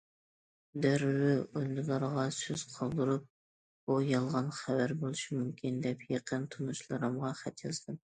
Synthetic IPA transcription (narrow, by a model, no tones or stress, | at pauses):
d̪æɾwɪojlɨlˠɑɾʁɑsøz̥qʰɑlˠd̪ɨɾup̚ | bujɑlˠʁɑnχævæɾbolˠɨʃimumkʲʰind̪ɛpʰjeqʰənt̪ʰunuʃlˠɨɾɨmʁɑχæt̪ʰjɑzd̪ɨn